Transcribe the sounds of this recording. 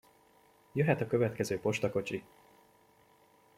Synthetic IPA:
jøɦɛt̪ɒkø̞vɛt̪kɛzøːpo̞ʃt̪ɒko̞t͡ʃi

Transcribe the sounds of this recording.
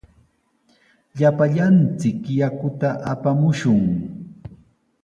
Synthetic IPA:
ʎapaʎant͡sɪkjakʊt̪aʔapamʊʃʊŋ

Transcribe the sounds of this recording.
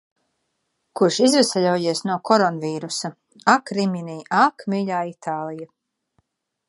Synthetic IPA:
kuɾʃizvɛsɛʎʲuɔjiɛsnuɔkʰɔɾɔnviːɾusa | akɾimʲiniːʔakmiʎaːit̪ʰaːlˠija

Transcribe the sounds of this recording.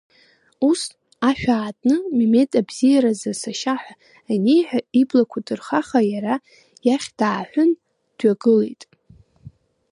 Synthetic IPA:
us | aʃᶣaːtʼnɨmime̞tʼabz̥ijaɾazasaʃaħʷᶣa | anejħʷᶣaiblakʷʰadɨrχaχajaɾa | jaχʲd̥aːħʷʊn | d̥ɥaɡɨlḛjtʼ

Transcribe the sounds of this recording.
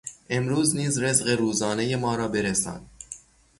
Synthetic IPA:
ʔe̞mɾuːzniːzɾezɢeɾuːzɒːnejemɒːɾɒːbe̞ɾesɒ̰ːn

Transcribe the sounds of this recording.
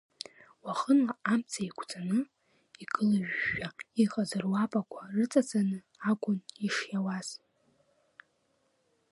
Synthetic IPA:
waχənaamt͡sʰaikʷʰt͡sʼanɨ | iɡʼɨlaʒᶣːaiqʼazɨrwapʼakʷʰarɨt͡sʼad͡zanɨ | akʷʼʊniʂjawaz̥

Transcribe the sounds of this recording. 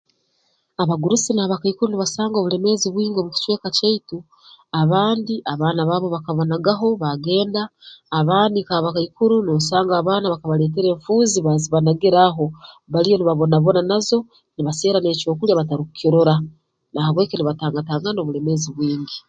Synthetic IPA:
aβaɡuɾusinaaβakaikuɾuniβasaːŋɡoβule̞me̞ziβwiːŋɡiomuci̥t͡ʃwe̞ːkaceitu | aβaːndiʔaβaːnaβaːβo̞βakaβonaɡaɦo̞βaɡe̞ːndaːβaːndikaːβakaikuɾuniβasaːŋɡaːβaːnaβakaβale̞ːt̬eɾe̞ːɱfuːziβaziβanaɡiɾaɦo̞ | βalijo̞niβaβo̞naβo̞nanazo̞ | niβaseːɾane̞ːco̞ːkuljaβataɾiku̥koɾoɾa | nahaβwe̞ːkeniβataːŋɡataːŋɡano̞βule̞me̞ziβwiːŋɡi

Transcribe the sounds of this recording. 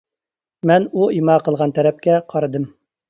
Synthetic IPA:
mɛnuimɑqəlˠʁɑnt̪ʰɛɾɛp̚kʲɛqʰɑɾɨd̪ɨm

